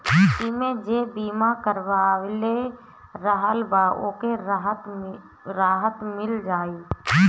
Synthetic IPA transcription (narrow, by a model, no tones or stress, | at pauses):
ɪmẽd͡ʒeːbiːmakəɾʋaːʋle | ɾəɦəlbaːʔo̰ːkeɾɦət̪ | ɾaːɦət̪mɪld͡ʒaːiː